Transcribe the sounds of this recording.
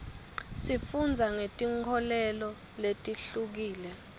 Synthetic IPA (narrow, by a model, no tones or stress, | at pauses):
sifund͡zʱaŋetʼiŋkʰɔlɛlɔ | letʼiɬuk̬iːlɛ